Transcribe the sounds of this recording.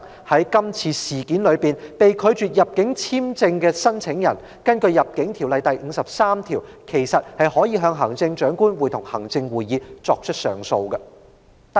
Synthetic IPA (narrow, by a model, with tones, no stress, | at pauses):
hɐ˨˥jkɐ˥mt͡sʰiː˧siː˨˩kiː˨˥nlɵ˨˧ɥpiː˨npe˨jkʰɵ˨˧ɥt͡ʃyː˨˩t̚jɐ˨p̚kɪ˨˥ŋt͡sʰiː˥mt͡sɪ˧ŋkɛː˧sɐ˥nt͡sʰɪ˨˥ŋjɐ̰˨˩n | kɐ˥nkɵ˧ɥjɐ˨p̚kɪ˨˥ŋt̪ʰiː˨˩wlɐ˨jt̪ɐ˨jŋ̩ː˨˧sɐ˨p̚saː˥mt̪ʰiː˨˩wkʰe˨˩jsɐ˨t̚hɐ˨jhɔː˨˥jiː˨˧ɦœː˧ŋɦɐ˨˩ŋt͡sɪ˧ŋt͡ʃœː˨˥ŋkuː˥nwuː˨˩jt̪ʰʊ˨˩ŋhɐ˨˩ŋt͡sɪ˧ŋwuː˨jiː˨˧t͡sɔː˧k̚t͡ʃʰɵ˥t̚sœ̰ː˨˩ŋso˧wkɐ˧